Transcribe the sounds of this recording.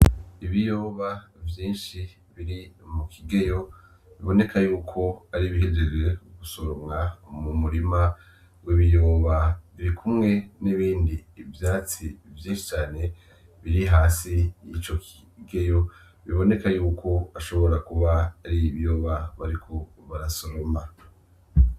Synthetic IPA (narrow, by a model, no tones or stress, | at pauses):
iβijoːβavjiːnʃi | βiɾimukʰiɡe̞jo̞ | βiβo̞ne̞kʰajuːkʰo̞aɾiβiɦed͡ʒed͡ʒweuɡusoɾomŋamumuɾima | wiβijoːβaβiɾikʰumŋe̞niβiːndiːvjaːt͡sivjeːʃi̥t͡ʃaːne̞ | βiɾiɦaːsijit͡ʃo̞kʰi | ɡe̞jo̞ | βiβo̞ne̞kajuːkʰo̞aʃo̞βo̞ɾakuβaːɾiβjoːβaβaɾikʰo̞ | βaɾasoɾoma